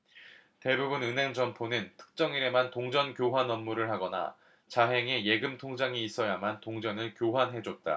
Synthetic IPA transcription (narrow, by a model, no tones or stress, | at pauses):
te̞bubunɯnɦe̞ŋd͡ʑʌmpʰonɯntʰɯ̥k̚t͡ɕ͈ʌŋiɾe̞mantoŋd͡ʑʌnkjoɦwanʌmːuɾɯɭɦaɡʌna̰ | t͡ɕaɦe̞ŋe̞je̞ɡɯmtʰoŋd͡ʑaŋiːs͈ʌjamantoŋd͡ʑʌnɯɭkjoɦwanɦe̞d͡ʑot̚t͈a̰